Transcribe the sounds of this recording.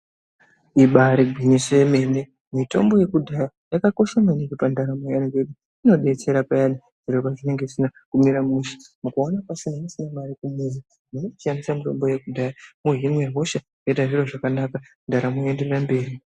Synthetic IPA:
iɓaɾiɡʱinisojeme̞ne | mito̞̰mbo̞je̞kudʱaja | jakako̞ʃamanikipandaɾamojanikeɗu | ino̞ɗe̞t͡se̞ɾapajani | ʐ̥iɾopaʐine̞ŋɡe̞isinakumiɾamuʃi̥mukaonapasinamasinamaɾikumuzi | muno̞pianisamito̞mbo̞je̞kudʱajamuɦimwe̞ɦo̞ʃa | etaʐiro̞ʐakanakandaɾamoende̞rerambe̞ːri

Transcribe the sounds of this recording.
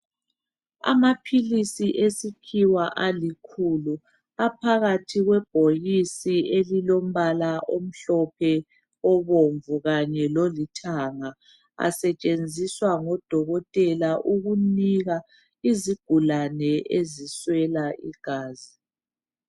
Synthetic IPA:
a̰mapʰilisiʔesikʰiwaʔalikʰulu | apʰaɣatʰiɣwɛb̥̚ʱojisielilom̩βalaʔom̩ɬɔpʰɛ | ɔβoɱvuɣaɲɛlolitʰaŋa | a̰sɛt͡ʃʼend͡zʱiswaŋɔd̥ʱɔɣɔtʼɛlaʔuɣuniɣa | iziɡ̥ʱulanɛeziswɛlaʔḭɡ̥ʱaːzi

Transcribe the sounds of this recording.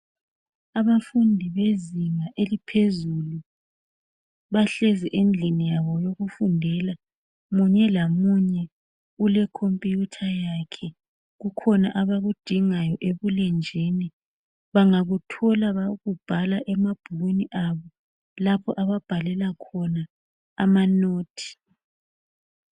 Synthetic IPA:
aβafundʱiβeziŋaʔelipʰezulu | βaɬɛzɛʔend͡ɮʱinijaβɔjoɣufundʱɛla | muɲɛlamuɲɛ | ulɛkʰompʼijutʰajaːkʰɛ | ɣukʰɔnaʔaβaɣud̥ʱiŋajɔʔeβulɛnd͡ʒʱini | βaŋaɣutʰɔlaβaɣub̥ʱalaʔɛmab̥ʱulweniʔaβɔ | lapʰɔʔaβab̥ʱalɛlakʰɔna | amanoːtʰi̥

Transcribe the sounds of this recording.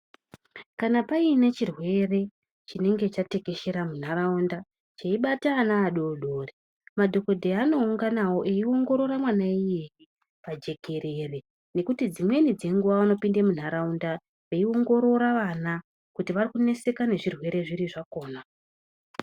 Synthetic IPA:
kanapaine̞t͡ʃirwe̞re̞ | t͡ʃine̞ŋɡe̞t͡ʃate̞ke̞ʃe̞ɾamun̤araunda | t͡ʃeiɓataːnaːɗoɗo̞ːre | madʱo̞ko̞dʱeano̞uŋɡanawo̞ʔe̞io̞ŋɡo̞ɾo̞ɾamwanaijeji | pad͡ʒe̞kʰe̞ɾe̞ːre̞ | ne̞kutid͡zimwe̞nid͡ze̞ŋɡuʋaano̞pindemun̤aɾaunda | ʋe̞io̞ŋɡo̞ɾo̞ɾaʋana | kutiʋarikune̞se̞kane̞ʐirwe̞ɾe̞ʐiɾiʐako̞ːna

